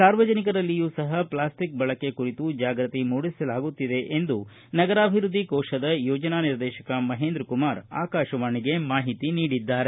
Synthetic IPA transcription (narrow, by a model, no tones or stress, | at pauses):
saːɾʋɐd͡ʒɐnikɐɾɐlːijuːsɐɦɐplaːsʈik̚bɐɭɐkːe̞kuɾit̪ud͡ʒaːɡɾɐt̪imuːɽisɐlaːɡut̪ːid̪e̞ʔend̪u | nɐɡɐɾaːbʱiɾud̪ʱːikɔːʃɐd̪ɐjɔːd͡ʒɐnaːniɾd̪ɛːʃɐkɐmɐɦeːnd̪ɾkumaːɾa̰ːkaːʃɐʋaːɳiɡe̞maːɦit̪iniːɽid̪ːaːɾe